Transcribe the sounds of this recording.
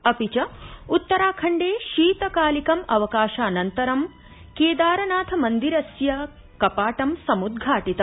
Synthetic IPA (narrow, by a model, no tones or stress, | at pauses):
ɐpit͡ʃɐut̪ːɐɾaːkʰɐɳɖeːʃiːt̪ɐkaːlikɐmɐʋɐkaːʃaːnɐnt̪ɐɾɐm | keːd̪aːɾɐnaːt̪ʰɐmɐnd̪iɾɐsjɐ | kɐpaːʈɐmsɐmud̪ɡʱaːʈit̪ɐ